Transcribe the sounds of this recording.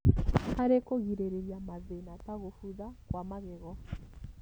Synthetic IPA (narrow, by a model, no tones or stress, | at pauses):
aɾekoɣiɾeɾeɾjamaðenataɣofuðakwamaɣɛɣɔ